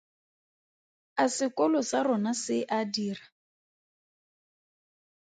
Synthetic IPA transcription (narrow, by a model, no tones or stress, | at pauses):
asɪkɔlɔsarɔnasɪʔadiːra